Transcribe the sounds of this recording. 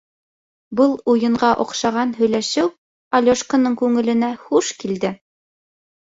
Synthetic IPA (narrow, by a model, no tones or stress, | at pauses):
bɤlˠujɤ̆ɴɢɑʔŏqʃɑʁɑnɦɵ̆jlæʃɘw | ɐlʲoʃkə̆nɤŋkʉŋɘ̆lɘ̆næχuʃkild̪ɘ